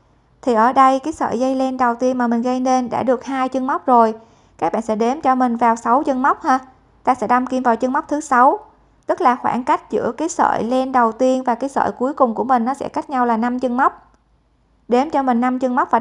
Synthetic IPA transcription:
t̪ʰi˨˩ʔəː˧˩ɗə˧jkaː˨˦jsə̰ː˧˨jzə˧jle˧nɗə˨˩wt̪i˧ənmaː˨˩mï˨˩ŋ̟ɣə˧jne˧nɗa̰ː˧˥ɗɨ˨˩ək̚haː˧jt͡ɕɨ˧ŋma˦˥wk͡p̚zo˨˩j | kaː˦˥k̚ɓa̰ː˧˨nsɛ̰˧˥ɗe˨˦mt͡ɕɔ˧mï˨˩ŋ̟vaː˨˩wsa˨˦wt͡ɕə˧ŋma˦˥wk͡p̚haː˧ | t̪aː˧˨sɛ̰˧˥ɗa˧mki˧mvaː˨˩wt͡ɕɨ˧ŋma˦˥k͡p̚t̪ʰɨ˨˦sa˨˦w | t̪ɨ˦˥k̚laː˨˩xwa̰ː˧˩nka˦˥jk̟̚zɨ̰˧˥əkaː˨˦jsə̰ː˧˨jle˧nɗə˨˩wt̪i˧ənvaː˨˩kaː˨˦jsə̰ː˧˨jku˨˦əjkʊ˨˩ŋ͡mku˧˩əmï˨˩ŋ̟nɔ˨˦sɛ̰˧˥ka˦˥jk̟̚ɲa˧wlaː˨˩na˧mt͡ɕɨ˧ŋma˦˥wk͡p̚ | ɗe˨˦mt͡ɕɔ˧mï˨˩ŋna˧mt͡ɕɨ˧ŋma˦˥k͡p̚vaː˨˩

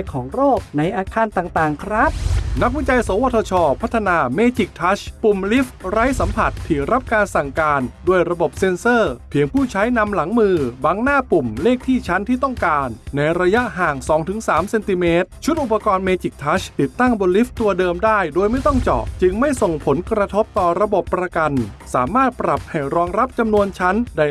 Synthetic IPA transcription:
kʰɔː˩˦ŋɾoː˥˩k̚na˧jʔaː˧kʰaː˧nt̪aː˨˩ŋt̪aː˨˩ŋkʰɾa˦˥p̚na˦˥k̚wi˥˩t͡ɕa˧jsoː˩˦wa˧˩t̪ʰɔː˧t͡ɕʰɔː˧pʰa˦˥t̪ʰːa˧naː˧meː˧t͡ɕi˨˩k̚t̪ʰa˦˥ɕpu˨˩mli˦˥fɾa˦˥jsa˩˦mpʰa˨˩t̪ʰːiː˨˩ɾa˦˥p̚kaː˧nsa˨˩ŋkaː˧nduː˧əjɾa˧bo˨˩p̚se˧nsɤː˥˩pʰi˨˩˦əŋpʰuː˥˩t͡ɕʰa˦˥jna˧mla˩˦ŋmɯː˧baː˧ŋnaː˥˩pu˨˩mleː˥˩k̚t̪ʰiː˥˩t͡ɕʰa˦˥nt̪ʰiː˥˩t̪ɔ˥˩ŋkaː˧nːa˧jɾa˧ja˦˥ʔɦaː˨˩ŋsɔː˩˦ŋt̪ʰɯ˩˦ŋsaː˩˦mse˧nt̪i˧meː˦˥t̪̚t͡ɕʰu˦˥t̪̚ʔu˨˩pːa˧kɔː˧nmeː˧t͡ɕi˨˩k̚t̪ʰa˦˥ɕt̪i˨˩t̪ːa˥˩ŋbo˧nli˦˥ft̪u˧ɐdɤː˧mdaː˥˩jdoː˧jma˥˩jt̪ɔ˥˩ŋt͡ɕɔ̰ː˨˩ʔt͡ɕɯ˧ŋma˥˩jso˨˩ŋpʰo˩˦nkɾa˧t̪ʰo˦˥p̚t̪ɔː˨˩ɾa˧bo˨˩pːɾa˧ka˧nsaː˩˦maː˥˩t̪̚pɾa˨˩p̚ha˧˥˩jɾɔː˧ŋɾa˦˥p̚t͡ɕa˧mnu˧ənt͡ɕʰa˦˥nda˧˩

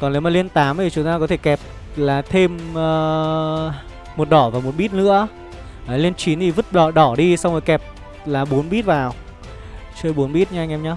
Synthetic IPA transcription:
kɔ˨˩ne˨˦wmaː˨˩li˧ənt̪aː˨˦mʔʰi˨˩t͡ɕʊ˨˦ŋ͡mt̪aː˧kɔ˨˦t̪ʰe˧˩kɛ˨˩p̚ | laː˨˩t̪ʰe˧məː˧˩ | o˨˩t̚ɗɔ˧˩vaː˨˩mo˨˩t̚ɓi˦˥t̚nɨ̰˧˥ə | a˨˦li˧ənt͡ɕi˨˦nt̪ʰi˨˩vɨ˦˥t̚ɗɔ˧˩ɗɔ˧˩ɗi˧sa˧wŋ͡mo˨˩jkɛ˨˩p̚ | laː˨˩ɓo˨˦nɓi˦˥t̚vaː˨˩w | t͡ɕəː˧jɓu˨˦ənɓi˦˥t̚ɲa˧jŋʔɛ˧mɲɔ˧˦

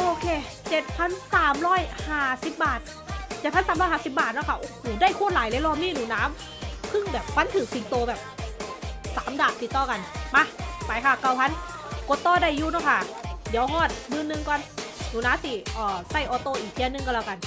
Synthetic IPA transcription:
ʔoː˧kʰeː˧˩ | t͡ɕe˨˧˩t̪̚pʰa˧˥˨nsaː˨˦mɾɔː˧˥˨jhaː˧˩si˧˦p̚baː˨˩t̪̚ | t͡ɕe˧t̪̚ʰa˧˥˨saː˨˦mɾɔː˥˩haː˧˩si˧˦p̚baː˨˩t̪̚nɔː˧˥˩kʰa˧˩ʔoː˧˩hoː˨˩daː˧˥˩jkʰu˧˥˩nlaː˨˦jleː˧˦lɔː˧˩mniː˧˥˨nuː˨˩˦naː˦˥m | pʰɯ˧˥˩ŋbɛː˨˩p̚wa˧˥nt̪ʰɯː˨˩k̚si˨˩˦ŋt̪oː˧bɛː˨˩p̚ | saː˨˦mdaː˨˩t̪̚ːi˨˩t̪ːɔː˧˩ka˧nma˧pa˨˩jkʰa˧˩ka˧˩wpʰa˧˥n | ko˧˦t̪ːɔː˧˩da˧˥˩jːuː˧nɔː˧˩kʰa˧˩di˨˦əwɦɔː˧˥˩t̪̚mɯː˧˥˨nːɯ˧ŋkɔː˧˥nnuː˨˦naː˦˥˨msi˧˩ʔɔː˨˩sa˧˥˩jʔɔː˧˦t̪oː˧˨ʔiː˨˩k̪̚ʰi˧˨ə˨nːɯ˧˩ŋkɔ˧˩laː˧˩ka˧n

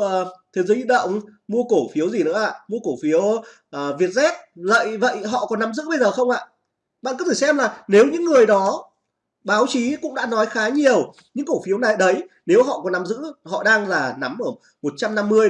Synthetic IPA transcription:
əː˨˩t̪ʰe˨˦zəː˨˦i˧˩ɗə̰˧˨wŋ͡mmu˧əko˧˩fi˨˦əwzi˨˩nɨ̰˧˥əʔa̰ː˧˨mu˧əko˧˩fi˨˦ə | ʔəː˨˩vi˨˩ət̚zɛ˦˥t̚zə̰˧˨jvə̰˧˨jɦɔ̰˧˨kɔ˨˦nːa˨˦mzɨ̰˧˥ɓə˧jzəː˨˩xə˧wŋ͡mʔa̰ː˧˨ | ɓa̰ː˧˨kːt̪ʰi˧˩sɛ˧mlaː˨˩ne˨˦wɲɨ̰˧˥ŋːɨ˨˩əjɗɔ˨˦ | ɓaː˨˦wt͡ɕi˨˦kʊ̰˧˥ŋ͡mɗa̰ː˧˥nɔ˨˦jxaː˨˦ɲi˨˩əw | ɲɨ̰˧˥ŋko˧˩fi˨˦əwna˨˩jɗə˨˦j | ne˨˦wɦɔ̰˧˨ʔkɔ˨˦nːa˨˦mzɨ̰˧˥hɔ̰˧˨ɗaː˧ŋzaː˨˩na˨˦mʔəː˧˩ | mo˨˩t̚t͡ɕa˧mna˧mːɨ˧əj

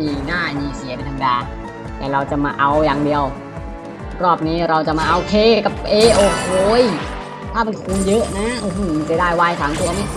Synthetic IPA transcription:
ɲiː˧˩naː˥˩miː˧˩si˨˩˦pe˧nt̪ʰa˧ma˧daː˧ | t̪ɛː˨˩ɾa˧wt͡ɕa˨˩ʔmaː˧ʔa˧wjaː˨˩ŋdi˧əw | ɾɔː˥˩p̚niː˦˥ɾa˧wt͡ɕa˨˩ʔmaː˧ʔoː˧kʰeː˧ka˨˩p̚ʔeː˧ʔoː˨˧˩kʰeː˧˩j | t̪ʰaː˥˩ma˧nkʰa˧˩ku˧njɤ˦˥ʔna˦˥ʔoː˧˩huː˧˩ma˧nt͡ɕa˩˧˦daː˥˩jwa˧˩jsaː˨˦t̪u˧ɐ˧ma˦˥˩

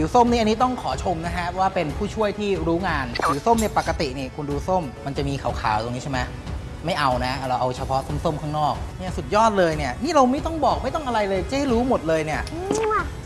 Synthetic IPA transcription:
pʰi˨˩˦wso˥˩mniː˥a˧nːiː˦˥t̪ɔ˥˩ŋkʰɔː˩˦t͡ɕʰo˧mna˦˥kʰa˦˥ʔpʰɔ˦˩waː˥˩pe˧npʰuː˥˩t͡ɕʰu˥˩əjt̪ʰiː˥˩ɾuː˦˥ŋaː˧npʰi˨˩˦wso˥˩mni˥˩ɐpa˨˩kːa˧t̪i˨˩niː˥˩kʰu˧nduː˧so˥˩mːa˧nt͡ɕa˨˩miː˧kʰa˨˩wkʰa̰ː˨˩˦wt̪o˧ŋːi˦˥t͡ɕa˥˩ma˦˥ | ma˥˩jʔa˧wna˦˥ɾa˧wʔa˧wt͡ɕʰa˧pʰɔ˦˥so˥˩mso˥˩mkʰaː˥˩ŋnɔː˥˩k̚ni˥˩ɐsu˨˩t̪̚jɔː˥˩t̪̚lɤː˧jni˥˩ɐniː˥˩ɾa˧wma˥˩jt̪ɔ˥˩ŋbɔː˨˩k̚ma˥˩jt̪ɔ˥˩ŋʔa˧ɾa˧jlɤː˧jt͡ɕa˥˩ha˥˩jɾuː˦˥mo˨˩t̪̚lɤː˧jni˥˩ɐɯː˧

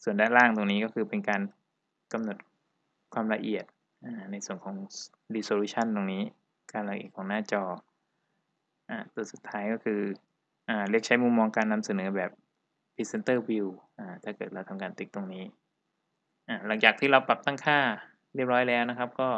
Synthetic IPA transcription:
su˨˩ndaː˥˩laː˥˩ŋt̪o˧ŋniː˦˥kɔː˥˩ɯː˧pe˧nkaː˧n | ka˧mno˨˩t̪̚ | kʰwaː˧mla˧ʔi˨˩ət̪̚ | ʔaː˧˩na˧jsu˨˩ənkʰɔː˩˦ŋ | ɾiː˧soː˧luː˦˥t͡ɕʰa˥˩nt̪o˧ŋniː˦˥ | kaː˧nla˧ʔḭ˨˩t̪̚kʰɔː˩˦naː˥˩t͡ɕɔː˧ | ʔaː˧˩t̪u˧əsu˨˩t̪ʰːaː˦˥jkɔː˥˩kʰɯː˧ | ʔaː˨˩li˦˥ək̚t͡ɕʰa˦˥jmu˥˩mːɔː˧ŋkaː˧nːa˧msa˧nɤː˩˦bɛː˨˩p̚ | pʰi˦˥se˧˦nt̪ɤː˥˩wi˧wʔaː˧˩t̪ʰaː˥˩kɤː˨˩t̪̚ɾa˧wt̪ʰa˧mkaː˧nt̪i˦˩k̚t̪o˧ŋniː˦˥ | ʔaː˧˩la˩˦ŋt͡ɕaː˨˩kt̪ʰiː˥˩ɾa˧wpa˨˩p̚t̪aː˥˩ŋkʰaː˥˩ | ɾi˥˩əp̚ɾɔː˦˥jlɛː˦˥wna˦˥kʰa˦˥p̚kɔː˥˩

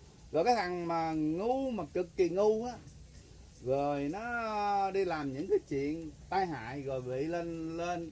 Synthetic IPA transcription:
zɔ˨˩jkaː˨˦jt̪ʰa˨˩ŋmaː˨˩ŋu˧maː˨˩kɨ˨˩kːi˨˩ŋu˧ʔaː˨˦ | zo˨˩jnɔ˨˦ɗi˧laː˨˩mɲɨ̰˧˥ŋkaː˨˦jt͡ɕwḭ˧˨ənt̪aː˧jɦa̰ː˧˨jɣo˨˩jɓḭ˧˨le˧nle˧n

